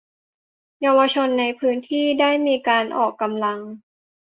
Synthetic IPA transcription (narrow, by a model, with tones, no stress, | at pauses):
ja˧wa˧t͡ɕʰo˧nːa˧jpʰɯː˦˥nt̪ʰiː˥˩daː˥˩jmiː˧kaː˧nʔɔ̰ː˨˩kːa˧mla˧ŋ